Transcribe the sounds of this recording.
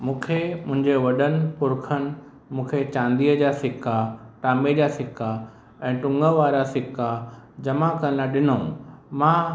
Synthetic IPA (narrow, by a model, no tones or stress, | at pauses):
mũːkʰemʊ̃ɦɪ̃ɲd͡ʑeʋɐɗənɪ̆pʊɾkʰənɪ̆ | mũːkʰet͡ɕãːnd̪iːəd͡ʑaːsɪkaʈaːmed͡ʑasɪka | ɛ̃ːʈʊ̃ŋɡəʋaːɾasɪkad͡ʑɐmakɐɾnaɗɪnõmãː